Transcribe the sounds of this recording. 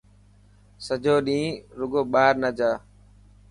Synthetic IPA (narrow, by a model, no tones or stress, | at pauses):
səd͡ʒʱoːɗĩːɾʊɡoːɓaːɾnəd͡ʒaː